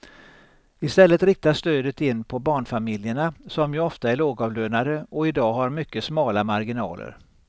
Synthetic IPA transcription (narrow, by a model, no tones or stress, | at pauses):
ɪst̪ɛlːət̪ɾɪk̚t̪aʂt̪øːd̪ət̪ɪnːpʰɔbɑːɳfamɪljəɳasɔmjɵɔft̪aæɭoːɡɑːvløːnad̪əɔɪd̪ɑːɦaɾmʏkːəsmɑːlamaɾɡɪnɑ̰ːlə̰ɾ